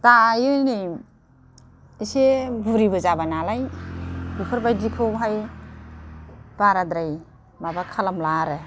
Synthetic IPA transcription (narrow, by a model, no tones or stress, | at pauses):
tajɯnij | isebuɾibɯzabanalajbipʰɯɾbajdikʰɯbɦaj | b̥aɾadɾaj | mabakʰalamlaɾɯ